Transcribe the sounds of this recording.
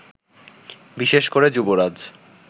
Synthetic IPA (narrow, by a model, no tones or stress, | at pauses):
biʃeʃkoɾed͡ʑuboɾad͡ʑ